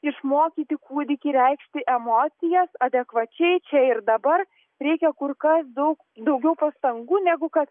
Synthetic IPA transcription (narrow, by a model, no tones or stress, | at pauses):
ɪʃmoːkʲiːt̪ʲɪkuːd̪ʲɪkʲɪɾʲɛɪkʃʲt̪ʲɪʔɛmoːt̪sʲɪjɛsɐd̪ʲɛkʋɐt͡ʃʲɛɪt͡ʃʲɛɪrd̪ɐbɐr | ɾʲɛɪkʲɛkʊrkɐsd̪ɐʊk | d̪ɐʊɡʲɛʊpɐst̪ɐŋɡuːnʲɛɡʊkɐt̪